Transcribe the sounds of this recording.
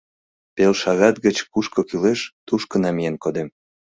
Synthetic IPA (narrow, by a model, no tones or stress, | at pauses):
pelʃɑɣɑt̪ɣət͡ɕkuʃkokyleʃt̪uʃkənɑmijenkod̪em